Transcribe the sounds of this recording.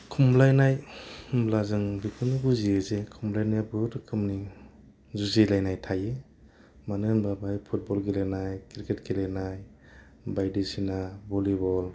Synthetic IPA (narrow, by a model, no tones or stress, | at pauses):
kʰumlajnajmlazɯŋbikʰɯnibuziezekʰumlajnajbɯɾɯkʰɯmni | zuzilajnajtʰaje | manɯŋbabajpʰut̚bɔlɡilenajkiɾketɡilenaj | bajdisinabɔlibɔl